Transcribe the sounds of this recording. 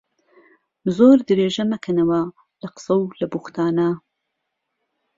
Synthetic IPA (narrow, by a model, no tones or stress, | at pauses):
zoːɾd̪ɨɾeːʒɐmɐkʰɐnɐwɐ | lɐqɨ̥sɐwlɐbuxt̪ʰaːnɐ